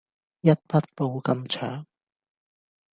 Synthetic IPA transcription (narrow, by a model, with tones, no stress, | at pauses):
jɐ˥t̚pʰɐ˥t̚po˧wkɐ˧mt͡ʃʰœː˨˥ŋ